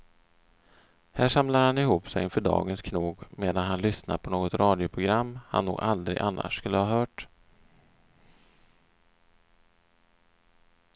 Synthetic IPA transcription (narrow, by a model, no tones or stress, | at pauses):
hæːʂamlaɾhanɪɦuːpsɛjɪnfœɖɑ̰ːɡənskʰnuːɡmeːd̪anɦanlʏsna̰pʰɔnoːɡɔt̪ɾɑːd̪jʊpʰɾʊɡɾamːha̰nːṵːɡald̪ɾɪ̰ɡʔanːa̰ʂːkɵlːəhɑːɦœːʈ